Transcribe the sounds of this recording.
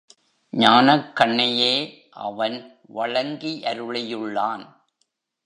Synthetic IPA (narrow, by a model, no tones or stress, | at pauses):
ɲaːnɐkːɐɳːɐjeː | ʔɐ̰ʋɐn | ʋɐɭɐŋɡiʔɐɾɯɭɐjɯɭːaːn